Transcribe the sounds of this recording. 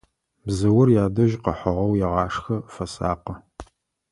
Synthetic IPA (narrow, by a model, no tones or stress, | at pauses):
bzɐwʊrjaːdɐʒqəħɐʁɐwjɛʁɑːʂxɐfɐsa̰ːqɐ